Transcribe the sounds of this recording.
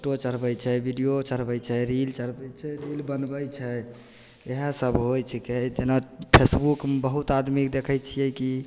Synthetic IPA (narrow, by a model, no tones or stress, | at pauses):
oʈot͡ʃəɾbəjt͡ʃʰɛbʱiɖijot͡ʃəɾbəjt͡ʃʰɛɾilt͡ʃəɾbɛjt͡ʃʰɛɾilbənbəjt͡ʃʰɛ | eɦesəbɦojt͡ʃʰiked͡ʒenapʰesbukmbəɦut̪ad̪mikd̪ekʰəjt͡ʃʰijɛki